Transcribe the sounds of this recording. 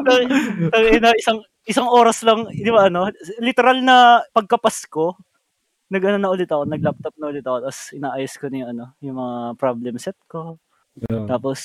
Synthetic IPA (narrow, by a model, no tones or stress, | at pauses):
t̪ɐt̪ɐɡɛnɐʔɪsaŋ | ʔɪsɐŋʔo̞ːɾɐslɐŋd̪ɪbaʔɐno̞lɪt̪ɛɾalnɐpɐɡ̚kɐpɐsko̞ | nɐɡʔɐnonɐʔʊlɪt̪ɐkonɐɡ̚lap̚t̪op̚nɐʔʊlɪt̪ɐkot̪asʔɪnaːʔajoskonɐjʊʔɐno̞jʊŋmɐŋapɾoblɛmsɛt̪̚ko̞ | t̪aːpos